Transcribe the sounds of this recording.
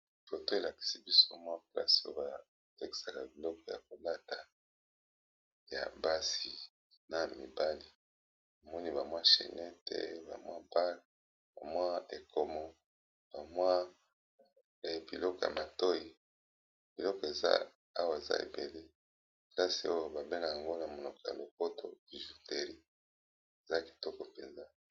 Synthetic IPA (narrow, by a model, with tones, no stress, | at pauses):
fo˨to˦e˨la˨ki̥˨si˦bi˦so˦mwa˦pla̰˦so˦ba˨ | tɛ˦ki̥˨sa˨ka˨bi˨lɔ˦kɔ˨ja̰˨k̚o˨la˦ta˨ | ja̰˨ba˦si˨ | na˨mi˨ba˦li˨ | a˨mɔ˦ni˦ba˨mwa˦ʃḛ˨nɛ˦tʰḛ˦ba˨mwa˦ba˦l | b̥a˨mwa˦e˨ko˨mɔ˨ | b̥a˨mwa˦ | ɛ˨bi˨lɔ˦kɔ˨ja̰˨ma˨to˦ji˨ | bi˨lɔ˦kɔ˨e˨za̰˦ | a˦wa˨e˨za̰˦ḛ˨be˨le˦˨ | la˦si˨o˦jo˨ba˨be˦na˨ja˨ŋɡo˦na˨mo˨no˨kja̰˨lo˨ko˦to˨i˨ʒu˨te˨ɾi˦ | e˨za˦ki̥˨tɔ˦kɔ˨pe˨nza˦